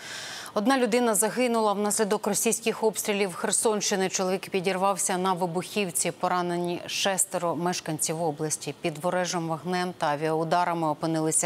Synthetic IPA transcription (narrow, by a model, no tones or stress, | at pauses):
ɔd̪nɑlʲʊd̪ɪnɐzɐɦɪnʊlˠɐwn̪ɑsʲlʲid̪ɔkrɔsʲijsʲkɪxɔpst̪ʲɾʲilʲiwxersɔnʃt͡ʃɪnɪt͡ʃɔlˠɔʋʲikpʲidʲirʋɑwsʲɐnɐʋɪbʊxʲiwt͡sʲipɔɾɑnenʲiʃɛst̪eɾɔmɛʃkɐnʲt͡sʲiwɔblˠɐsʲtʲipʲid̪ʋɔɾɛʒɔmʋɐɦnɛmt̪ɐɐʋʲiɐʊd̪ɑɾɐmɪɔpɪnɪlˠɪsʲɐ